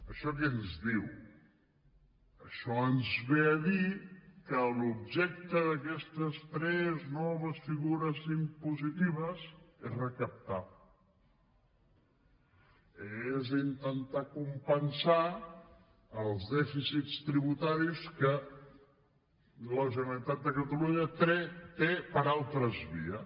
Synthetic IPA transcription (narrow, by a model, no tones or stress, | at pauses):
əʃɔk̬ɛnzðiw | əʃɔənzβeəðikəlubʒɛk̚t̪əðəkɛst̪əst̪ɾɛznɔβ̞əsfiɣuɾəzimpuzit̪iβ̞əzezrəkəp̚t̪a | ezint̪ənt̪akumpənsa | əlˠzðɛfisitst̪ɾiβut̪aɾiskə | ləʒənəlit̪at̪̚d̪əkət̪əluɲət̪et̪epəɾalˠt̪ɾəzβḭə